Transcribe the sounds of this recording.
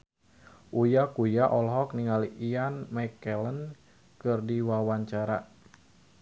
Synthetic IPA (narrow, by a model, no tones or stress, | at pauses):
ʔujakujaʔɔlɦɔk̚niŋaliʔianmakɛlən | kɨrdiwawaɲt͡ʃaɾa